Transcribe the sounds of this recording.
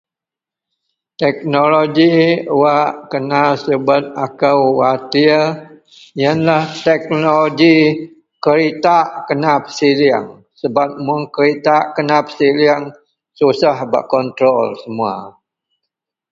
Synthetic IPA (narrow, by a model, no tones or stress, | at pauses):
t̪ɛk̚noloɡiwaʔkənasəbət̪̚akawwat̪i | jənlaht̪ɛk̚noloɡi | kəɾit̪aʔkənapə̥silia̰ŋ | səbap̚muŋkəɾit̪aʔkənapə̥siliaŋ | susahba̰ʔkɔnt̪ɾɔlsəmua̰